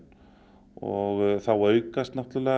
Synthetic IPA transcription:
n | ɔɣθawœːɥkast̪nawht̪lʏlɛː

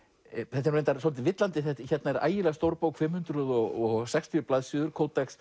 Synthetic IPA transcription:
θɛt̪ɛɾejnt̪aɾsɔlɪt̪̬ɪvɪt̪lant̪ɪθɛt̪çɛt̪naɛɾʔa̰ːjɪlɛɣst̪owɾpoːwkfɪmhʏnt̪ɾʏðɔɣɔɣsɛkst̪ʰjʏplaðsʏðʏɾkʰowt̪ɛks

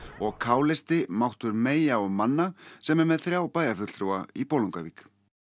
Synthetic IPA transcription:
ɔɣkʰaːwlɪst̪ɪmawht̪ʏɾmeːjaɔɣmanːasɛmɛmɛðθɾjaːwpaːjɣafʏt̪l̥t̪ɾuwaipoːluŋkavik

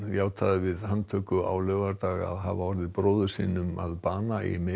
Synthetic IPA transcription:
jaːwt̪ʰaðɪvɪðhant̪ʰœːkʏa̰wlœːɣaɾt̪aːɣa̰ðɦavaɔɾðɪðpɾoːwðʏ̥sḭːnʏma̰ðpaːnaḭme

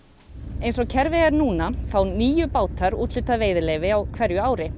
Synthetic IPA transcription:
ejnsɔɣcʰɛɾvɪɣaɾnuːnafaːwniːjʏpaːwt̪aɾuːt̪lʏt̪aðveːjðɪleːjvɪawkʰvɛɾjʏaːwɾɪ

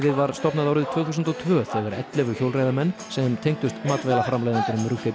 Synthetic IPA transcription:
vɪðvaɾ̥st̪ɔpnaðaːwɾɪðt̪ʰv̥œːθusʏnt̪ɔt̪ʰvœːθɛðvɛɾɛt̪lɛvʏçjowlrajðamɛnːsɛmt̪ʰejŋkt̪ʏst̪maːt̪vejlafɾamlajðɪnt̪ʏɾʏmrʏfe

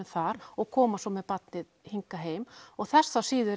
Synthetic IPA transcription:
ʏθaɾɔɣkʰɔːmasɔmɛðpat̪nɪð | hiŋkaɦeːjmɔɣθɛsθasiːðʏ

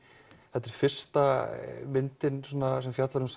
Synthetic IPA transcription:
θɛt̪ːɛɾ̥fɪr̥st̪amɪnt̪ɪnsonas̬ɛmfjat̪laɾʏms

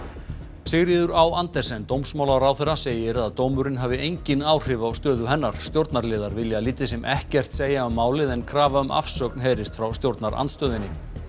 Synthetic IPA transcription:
sɪɣɾiːðʏɾawant̪ɛsɛnt̪owmsmaːwlaɾawθɛrːaseːjɪɾaðt̪owmʏɾɪnɦaːvɪejɲcɪnaːwr̥ɪːvaːwst̪œːðʏɦɛnːaɾ̥st̪jowɾt̪naɾlɪːðaɾvɪljaliːt̪ɪsɛmʔɛhcɛr̥t̪seːjaʏmːaːwlɪðɛnkʰɾaːvaʏmʔa̰fsœknɦejɾɪst̪fɾawst̪jowɾt̪naɾa̰nt̪st̪œːðɪnːɪ

